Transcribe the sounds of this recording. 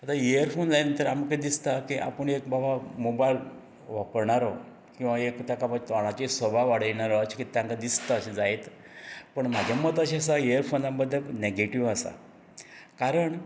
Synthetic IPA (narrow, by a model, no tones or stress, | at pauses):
at̪aeəɾfond͡zajnt̪əɾamkad̪ist̪akiʔa̰pəɳekbabamobajl | ʋapəɾɳaɾɔ | kĩw̃ʋaekt̪jakabad͡ʑt̪ʋaɭ̃at͡ɕisəbʱaʋaɽ̤əjɳaɾɔt͡ɕkit̪jãŋkad̪ist̪aːɕid͡zajt̪ | pəɳm̤ad͡ʑʱjamət̪əɕias̬aeəɾfonlambəd̪ʱːəneɡeʈiʋəsa̰ | kaɾəɳ